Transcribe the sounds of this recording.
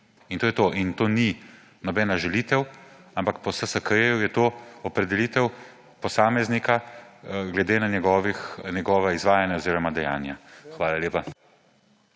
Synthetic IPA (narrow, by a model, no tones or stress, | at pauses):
int̪oːjɛt̪oʔint̪oːni | nɔbɛːnaʒɛlit̪ɛwampakpɔwsəsɐkejujɛt̪oːɔpɾɛd̪ɛliːt̪ɛw | pɔsaːmɛznika | ɡlɛd̪eːnanɛɡɔːʋixnjɛɡɔːʋaizʋaːjanjaoziːɾɔmad̪ɛja̰ːnjaxʋaːlaleːpa